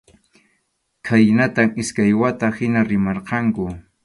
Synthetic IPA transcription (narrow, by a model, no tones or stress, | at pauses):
kʰajnat̪amɪskajwat̪ahɪnaɾɪmɑɾqɑŋkʊ